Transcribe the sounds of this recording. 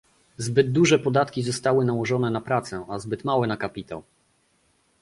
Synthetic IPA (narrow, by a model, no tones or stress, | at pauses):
zbɘd̪̚d̪uʐɛpɔd̪at̪kʲizɔst̪awɘnawɔʐɔnɛnapɾat̪sɛʔazbɘt̪mawɛnakapʲit̪a̰w